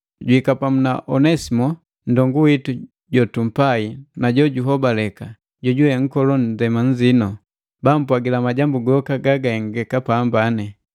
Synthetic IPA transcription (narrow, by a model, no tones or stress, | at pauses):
ɟwhikapamunaʔɔnɛsimɔ | ndɔŋɡuwitu | ɟɔtum̩painaɟɔɟuɦɔbalɛka | ɟɔɟuwɛŋ̩kɔlɔndɛmaɲ̩d͡ʒinɔ | bam̩pwaɡilamaɟambuɡɔkaɡaɡaɛŋɡɛkapambanɛ